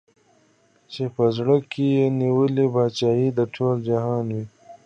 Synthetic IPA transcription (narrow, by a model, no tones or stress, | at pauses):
t͡ʃepɐzɽəkijeniwəlibaːt͡ʃaːjid̪əʈʰoːld͡ʒɐɦaːnwi